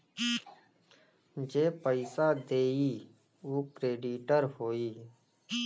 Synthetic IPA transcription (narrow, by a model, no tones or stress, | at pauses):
d͡ʒeːpəɪsaːd̪eːiː | oːkɾeːɖiːʈəɾhoːiː